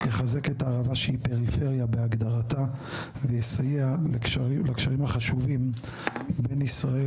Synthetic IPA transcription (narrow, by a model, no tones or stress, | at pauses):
jeχaze̞ketaːʁavaʃehipe̞ʁife̞ʁjabeaɡd̪aʁata | vejesajealekʃailekʃaʁimaχaʃuvim | be̞nisʁae